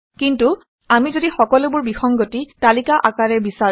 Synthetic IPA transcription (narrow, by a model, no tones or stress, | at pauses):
kintu | amizodixɔkɔlʊbʊɹbixɔŋɡotitalikaʔakaɹɛbisa